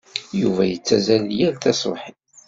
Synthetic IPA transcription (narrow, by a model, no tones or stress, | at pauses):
juvæjət͡sːæzæljælt̪æsˤo̰ħi